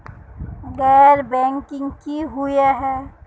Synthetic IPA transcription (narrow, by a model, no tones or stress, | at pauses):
ɣɛːɾbɛ̃ːŋkɪ̃ŋkiɦʊeɦɛː